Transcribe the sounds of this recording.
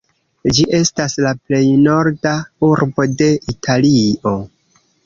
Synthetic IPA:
d͡ʒiʔe̞staslaple̞jno̞ɾdauɾbo̞de̞itʰalio̞

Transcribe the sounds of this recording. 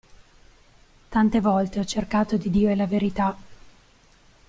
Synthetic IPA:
t̪ant̪evɔlt̪eɔt͡ʃːerkaːt̪od̪id̪iːoelaveɾit̪a

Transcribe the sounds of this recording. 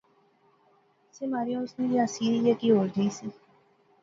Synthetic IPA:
seːmaːɾijõʊsnẽːd͡ʒiəsiːijeːkiɦoːɾd̪iːsiː

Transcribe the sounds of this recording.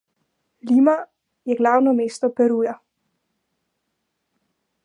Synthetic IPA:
liːma | jɛɡlawnɔmeːst̪ɔpɛɾuːja

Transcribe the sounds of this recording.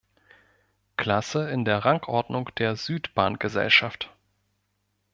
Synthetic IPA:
kʰl̥asəɪndeːɐʁaŋkʰʔɔɐdnʊŋd̥eːɐzyːtb̥aːnɡ̥əzɛ̰lʃaft

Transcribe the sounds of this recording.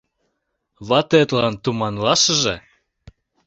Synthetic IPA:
βɑt̪et̪lɑnt̪umɑnlɑʃəʒḛ̆

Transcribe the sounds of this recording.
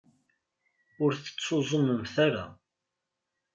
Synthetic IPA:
ʊɾθə̥t͡sːozˤəməmθaɾa̰

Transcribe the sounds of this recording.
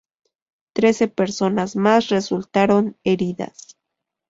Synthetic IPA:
t̪ɾe̞se̞peɾso̞nasmasresult̪aɾo̞neɾiða̰s

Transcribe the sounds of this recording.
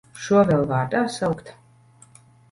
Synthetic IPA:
ʃuɔvʲɛlˠvaːɾd̪aːsawkt̪

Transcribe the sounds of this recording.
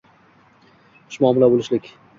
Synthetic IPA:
ʊ̥ʃmɒːmɪlabolɪʃlɪkʲ

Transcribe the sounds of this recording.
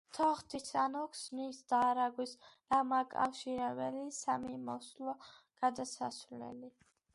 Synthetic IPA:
t̪ʰɔχt̪ʰisʰanɔkʰsnisd̪aːɾaɡwisɾamakʼa̰fʃiɾɛbɛlisamimɔslˠɔ | ɡ̥ad̪asasvlɛ̰li

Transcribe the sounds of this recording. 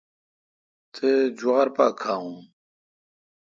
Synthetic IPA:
t̪ʰed͡ʑuʁɐɾpakʰaːũ

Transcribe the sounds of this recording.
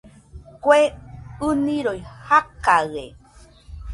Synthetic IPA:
kʷeɨnĩɾojhakaɣḛ

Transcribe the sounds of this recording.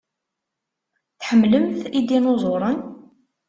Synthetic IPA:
θħəmːləmθid̪inozˤoɾˤən

